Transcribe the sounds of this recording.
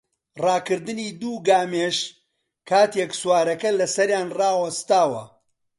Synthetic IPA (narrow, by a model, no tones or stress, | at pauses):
rɑːkɨɾd̪ɨniːd̪uːɡaːmeʃ | kʰaːt̪eksuwaːɾɐkɐlɐsɐɾjaːnrɑːwɐst̪aːwɐ̰